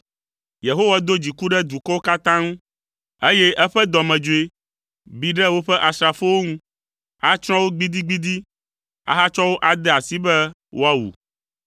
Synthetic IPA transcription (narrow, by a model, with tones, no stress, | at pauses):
je˨ɦo˦wa˨d̪o˦d͡ʑi˨ku˦ɖɛ˦d̪u˨kɔ˦wo˦ka˦t̪ã˦ŋũ˦ | e˦jɛ˦ʔɛ˦ɸɛ˦d̪ɔ˨mɛ̃˨d͡ʒo˨e˦ | bi˨ɖɛ˦wo˦ɸɛ˦ʔa˨sɾa˨fo˦wo˦ŋũ˦ | a˦t͡ʃɾ̃ɔ̃˦wo˦ɡ͡bi˦d̪i˦ɡ͡bi˦d̪i˦ | a̰˨ɦa˦t͡ʃɔ˦wo˦ʔa˨d̪ɛ˦a˨si˦bɛ˦ | wʔo˦a˦wṵ˨